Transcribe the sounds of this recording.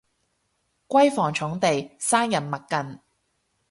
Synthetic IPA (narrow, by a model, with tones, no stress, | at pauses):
kʷɐ˥jfɔː˨˩ŋt͡ʃʰʊ˨˥ŋt̪e˨jsaː˥ŋjɐ˨˩nmɐ˨tkːɐ˨n